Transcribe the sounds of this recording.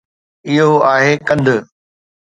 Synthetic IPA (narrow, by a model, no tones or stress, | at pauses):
ɪɦoaːɦekɐ̃nd̪ʱʊ